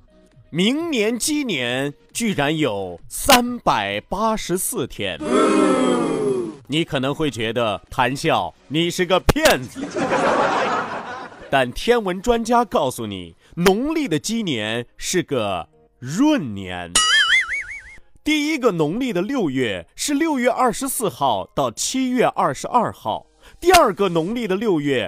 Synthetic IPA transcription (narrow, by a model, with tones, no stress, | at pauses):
mi˧˥ŋnjɛ˧˥nt͡ɕi˥njɛ˧˥n | t͡ɕy˥˩ɻa˧˥njo˨˩ʊsa˥npa˨˩ɪpa˥ʂɻ̩˧˥sɹ̩˥˩t̪ʰjɛ̰˥n | ni˧˥kʰɤ˨˩nɤ˧˥ŋxwe˥˩ɪt͡ɕɥɛ˧˥d̪ə˧t̪ʰa˧˥nɕjɑ˥˩ʊni˨˩ʂɻ̩˥˩ɡə˩pʰjɛ˥˩n | t̪a˥˩nt̪ʰjɛ˥nwə˧˥nʈ͡ʂwa˥nt͡ɕja˥kɑ˥˩ʊsu˨˩nḭ˨˩˦ | nʊ˧˥ŋli˥˩d̪ə˩t͡ɕi˥njɛ˧˥nʂɻ̩˥˩ɡə˩ | ɻwə˥˩nnjɛ̰˧˥n | t̪i˥˩i˥ɡə˧nʊ˧˥ŋli˥˩d̪ə˩ljo˥˧ʊɥɛ˥˩ʂɻ̩˥˧ljo˥˧ʊɥɛ˥˧ʔɐ˞˥˩ʂɻ̩˧˥sɹ̩˥˧xɑ˥˧ʊt̪ɑ˥˩ʊt͡ɕʰi˥ɥɛ˥˧ʔɐ˞˥˩ʂɻ̩˧˥ʔɐ˞˥˧xɑ̰˥˩ʊ | t̪i˥˧ɐ˞˥˧ɡə˧nʊ˧˥ŋli˥˩d̪ə˩ljo˥˧ʊɥɛ˥˩